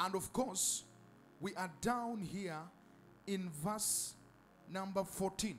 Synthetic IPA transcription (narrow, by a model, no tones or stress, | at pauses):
ə̃ndɔv̥kʰɔs | wiʔadãʊ̃nhi | ɪ̃nvə˞s | nʌ̃mbə˞fɔtʰĩn